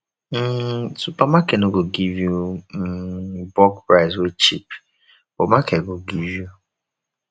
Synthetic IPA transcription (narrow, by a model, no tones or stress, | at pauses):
m̩supamakenoɡoɡivju | bɔkpɾaɪzwet͡ʃip | bomakeɡoɡivju